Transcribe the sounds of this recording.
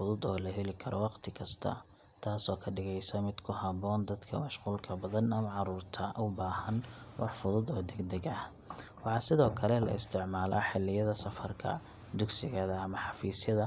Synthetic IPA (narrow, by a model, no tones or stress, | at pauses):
fʊðʊd̪ɔːlɐɦɛlɪkʰɐɾɔwɑqt̪ʰɪkʰɐst̪ʰɐ̰ | t̪ʰaːsɔːkʰɐɖɪɣɛjsɐmɪd̪kʰʊhɐβɔːnd̪ɐd̪kʰɐ̰mɐʃquːlkʰɐbɐðɐnɐmɐʕɑɾuːrt̪ʰɐʔʊbaːhɐnwʔɑ̰ħfʊðʊd̪ɔːd̪ɛɡd̪ɛɡɐh | wɑħɑːsɪðɔːkʰɐlɛlɐ̰ɪst̪ʰɪʕmaːlʔaħɪlːɪjɐðɐsɐfɐrkʰɐ̰ | d̪ʊɡsɪɣɐðɐːmɐħɑfiːsjɐðɐ